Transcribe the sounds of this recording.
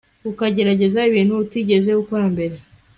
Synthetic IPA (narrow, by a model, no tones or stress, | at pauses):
ukaɟe̞ɾaɟe̞zaiβiːnhuutiɟe̞zeukoɾambe̞ɾe̞